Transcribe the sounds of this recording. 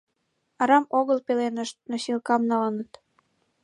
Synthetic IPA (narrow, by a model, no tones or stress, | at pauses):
ɑɾɑmoɣəlpelenəʃt̪̚noɕilkɑmnɑlənət̪